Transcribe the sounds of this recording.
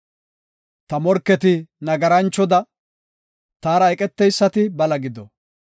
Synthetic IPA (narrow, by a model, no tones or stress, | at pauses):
t̪ɐmɔɾkːɛt̪ɪnɐɡɐɾɐnt͡ʃːɔd̪ɐ | t̪aːɾɐɛkʼɛt̪ːɛjsːɐt̪ɪbɐlɐɡɪd̪ɔ